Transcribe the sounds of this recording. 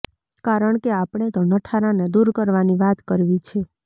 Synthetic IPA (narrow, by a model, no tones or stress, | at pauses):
kaɾəɳkeapɳ̃et̪onəʈʰaɾaned̪uɾkəɾʋaniʋat̪kəɾʋit͡ʃʰe